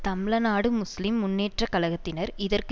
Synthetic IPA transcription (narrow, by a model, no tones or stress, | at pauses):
t̪ɐmɪɭɐnaːɽɯmʊslɪmːʊnːeːʈrɐkɐlɐɣɐt̪ːɪnɐɾɪðɐrk